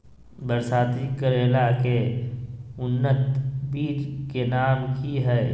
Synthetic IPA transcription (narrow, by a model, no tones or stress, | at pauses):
bəɾsaːt̪ikəɾeːlake | ʊnːət̪biːt͡ʃkenaːmkiɦɛː